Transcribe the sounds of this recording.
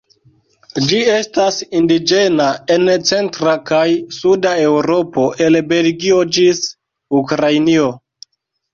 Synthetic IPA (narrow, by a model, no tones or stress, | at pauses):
d͡ʒie̞stasindid͡ʒe̞nae̞nt͡se̞ntɾakajsudae̞wɾo̞po̞ʔe̞lbe̞lɡio̞d͡ʒis | ukɾajnio̞